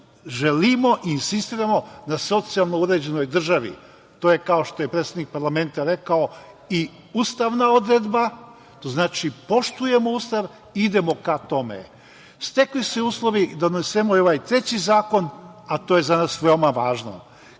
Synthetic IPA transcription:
ʒelimo̞ʔiinsist̪iːɾamo̞naso̞t̪sialˠno̞uɾe̞ːd͡ʑeno̞jd̪r̩ʒaʋḭ | t̪oːje̞kaoʃt̪o̞je̞pɾet̪sed̪nik̚paɾlˠame̞nt̪aɾe̞kao | i | ust̪aʋnao̞d̪ɾed̪ba | ʃt̪oznaːt͡ʃipo̞ʃt̪uje̞mo̞uːst̪aʋ | id̪e̞mo̞kat̪o̞mḛ | st̪e̞kliseuːslˠo̞ʋid̪anosemoioʋajt̪ɾe̞t͡ɕizaːko̞nat̪oːje̞zanasʋeomaʋaːʒno̞̰

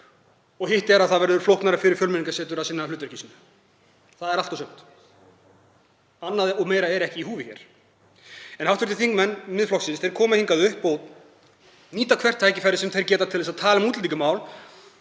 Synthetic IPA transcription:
ɔɣɦɪht̪ɛɾaðθaðvɛɾðʏɾ̥flowhk̪naɾɪfɪɾɪɾ̥fjœlmɪniŋkasɛːt̪ʏɾaðsɪnːalʏːt̪ʏɾɛhcisɪnʏ | θaðɛɾalt̪ɔsʏm̥t̪ | anːaðɔmeːjɾaɛɾɛhcɪihuːvɪçɛ̰ɾ̥ | ɛnhawht̪vʏɾt̪ɪθiŋkmɛnːmɪðflɔksɪnsθejɾ̥kʰɔːmahiŋkaðʏhpɔw | niːt̪akʰvɛr̥t̪ʰaːjcɪfajɾɪsɛmθejɾcɛːt̪at̪ʰɪlðvɛsðt̪ʰaːlaɪmuːt̪lt̪iːkʏmaːwl

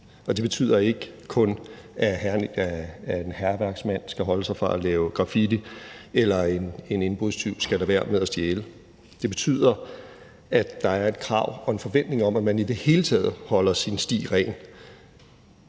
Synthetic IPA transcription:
ɒ̽d̥e̝b̥e̝t͡sʰy̰ːð̰ˠɐe̝ɡ̥əkʰɔ̽nʔæhæn | enhæɐʋæɐɡ̥smæn̰sɡ̥æɦɒ̽ləsɑ̈ɪfʁɑ̈ælɛːʊɡ̥ʁɑ̈fid̥ielɐe̝ne̝nenb̥oðˠst͡sʰyʊ̰sɡ̥ædɑʋæɐmeðˠæsd̥jeːlə | d̥e̝b̥e̝t͡sʰy̰ːð̰ˠɐ | æd̥ɑ̈æɐe̝d̥kʰʁɑ̰̈ʊ̰ɒ̽e̝nfɒ̽ʋen̰d̥ne̝ŋɒ̽mæmænid̥e̝he̝ːlət͡sʰɛ̰ːð̞ˠhɒ̽lɐsinsd̥ḭːʁɛ̰ːn

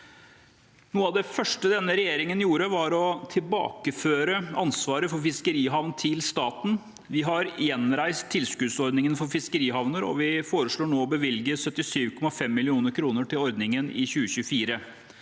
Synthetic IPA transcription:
nuːəɑʋd̪ɛfœʂʈəd̪ɛnːəɾɛjeːɾɪŋənjuːɾəʋɑɾɔt̪ʰɪlbɑ̰ːkəføːɾəɑnsʋɑːɾəfɔɾfɪskəɾiːɦɑʋnt̪ʰɪlst̪ɑːt̪n̩ | ʋɪɦɑɾjɛnɾæɪst̪ʰːɪlskʉd̪sɔɾd̪nɪŋənfɔɾfɪskəɾiːɦɑʋnəɾɔ̰ʋɪfoːɾəʂɭoːɳoːɔbəʋɪlɡəsœt̪ːɪsyːʋkʰɔmɑfɛmːɪlɪuːnəɾkʰɾuːnəʈɪlɔɾd̪nɪŋənɪ̰çʉːəɕʉːfiːɾə

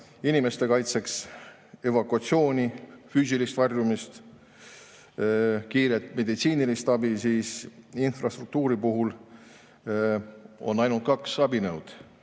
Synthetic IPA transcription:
inime̞st̪e̞kɑjt̪se̞ks | e̞vɑkuɑt̪sio̞ːnʲifyːs̬ilist̪vɑrjumist̪ | kiːɾet̪ˑme̞d̪̥it̪siːnilist̪ɑbisiːsinfrɑst̪ruk̚t̪uːɾipuɦul | o̞̰nɑjnult̪̚kɑksɑbinɤwd̪̥

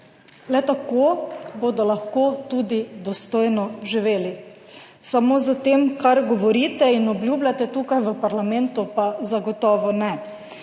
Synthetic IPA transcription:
lɛt̪akoːboːd̪ɔlaxkoːt̪uːd̪id̪ɔst̪oːjnɔʒiʋeːli | samoːzət̪eːmkaɾɡɔʋɔɾiːt̪ɛinɔbljuːblʲat̪ɛt̪uːkajʋəpaɾlamɛnt̪upazaɡɔt̪ɔːʋɔnɛ

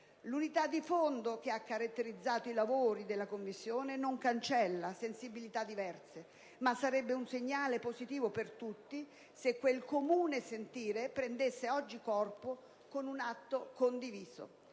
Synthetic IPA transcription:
lunit̪ad̪ːifond̪ok̟eakːaɾat̪ːeɾid̪zːaːt̪oilavoːɾid̪elːakomːisːjoːnenoŋkant͡ʃɛlːasensibilit̪ad̪ːivɛrse | masːaɾɛbːeunseɲːaːlepozit̪iːvopert̪ut̪ːi | sekːwelkomuːnesent̪iːɾepɾend̪esːeɔd͡ʒːikɔrpo | konunat̪ːokond̪iviːzo̰

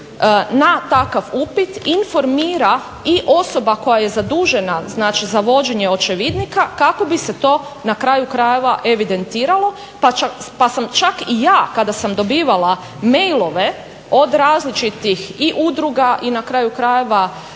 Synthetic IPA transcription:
nat̪akaʋupit̪info̞ɾmiːɾa | iʔo̞so̞bako̞jaje̞zad̪uːʒe̞naznaːt͡ʃizaʋo̞d͡ʒe̞ɲeo̞t͡ʃeʋid̪nikakako̞bise̞t̪o̞ːnakɾaːjukɾaje̞ʋaʔe̞ʋid̪e̞nt̪iːɾalˠo̞ | pat͡ʃapasamt͡ʃakijaːkad̪asamd̪o̞biːʋala | me̞jlˠo̞ʋe̞ | o̞d̪ɾaːzlit͡ʃit̪ixiʔud̪ɾuɡaʔinakɾaːjukɾaje̞ʋa

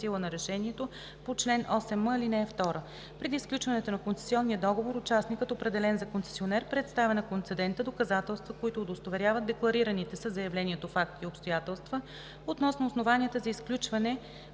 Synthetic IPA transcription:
silˠənɐɾɛʃɛniɛt̪o | pot͡ʃlɛnʔɔsɛmːəlinɛɛft̪ɔɾə | pɾɛd̪iːsklʲut͡ʃvɐnɛt̪onɐkonsɛ̥siɔnːijəd̪ɔɡovoɾʊt͡ʃasnikət̪opɾɛd̪ɛlɛnzɐkonsɛ̥sionɛɾpɾɛt̪st̪avɛnɐkont̪sɛd̪ɛnt̪əd̪okɐzat̪ɛlˠst̪vəkoit̪oːd̪ost̪ovɛɾʲjavəd̪̚d̪ɛklˠɐɾiɾənit̪ɛsəzɐjɐvlɛniɛt̪ofak̚t̪iopst̪ojat̪ɛlˠst̪və | ot̪nɔsnoːsnovaniət̪əzɐisklʲut͡ʃvɐnɛ

